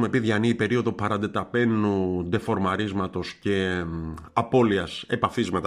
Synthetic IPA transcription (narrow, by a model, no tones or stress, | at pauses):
me̞piðʝɐniipe̞ɾio̞ðo̞pɐɾɐnd̪e̞t̪ɐpe̞nud̪e̞fo̞ɾmɐɾizmɐt̪o̞sce̞ | ɐpo̞liɐse̞̰pɐfizmɐt̪ɐ